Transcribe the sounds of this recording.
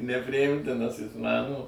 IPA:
nʲɛpʲrʲɪˈjɪmʲtʲɪnɐs ˈjɪs ˈmɐn oː

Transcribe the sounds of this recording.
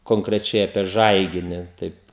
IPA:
koːŋkrʲɛˈt͡ʃʲɛɪ ɐpʲiɛ ˈʒɐɪɡʲɪnʲɪ ˈtɐɪp

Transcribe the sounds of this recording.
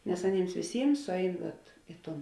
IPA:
nʲɛs ɐˈnʲiːms ʋʲeːˈsʲiːms ˈsʊˌɛɪn ʋɐt ˈɪ ˌtoːn

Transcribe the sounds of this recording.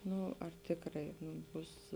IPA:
ˈnʊ ɐr ˈtʲeːkrɐɪ nuː ˈbʊs

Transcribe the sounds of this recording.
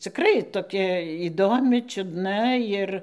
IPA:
t͡sʲɪkˈrɐɪ toːˈkʲɛ iːˈdoːmʲɪ t͡ʃʲʊdˈnɐ ˈjɪr

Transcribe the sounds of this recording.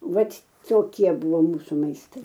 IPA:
ˈʋɐt toːˈkʲiɛ ˈbʊʋoː ˈmuːsʊ mɐɪsˈtɐɪ

